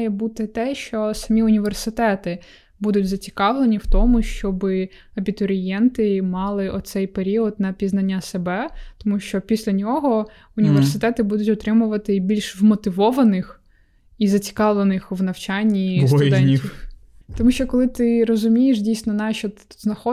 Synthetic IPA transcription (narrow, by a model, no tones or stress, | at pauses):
jɛbut̪ɪt̪ɛʃt͡ʃɔsɐmʲiʊnʲiʋersɪt̪ɛt̪ɪ | bud̪ʊtʲzɐt͡sʲi̥kɑʋlˠenʲiwt̪ɔmʊʃt͡ʃɔbɪ | ɐbʲit̪ɔɾʲɪjɛnt̪ɪmɑlˠɪʔɔt̪sɛjpeɾʲiɔd̪nɐpʲiznɐnʲːasebɛt̪ɔmuʃt͡ʃɔpʲisʲlʲɐnʲɔɦɔ | ʊnʲiʋersɪt̪ɛt̪ɪbud̪ʊtʲɔt̪ɾɪmʊʋɐt̪ɪbʲilʲʃʋmɔt̪ɪʋɔʋɐnɪx | izɐt͡sʲi̥kɑʋlˠenɪxʋnɐwt͡ʃɑnʲːijɛnʲix | t̪ɔmuʃt͡ʃɔkɔlˠɪt̪ɪɾɔzʊmʲijeʃdʲijsnɔnɑʃɔt̪znɐxɔ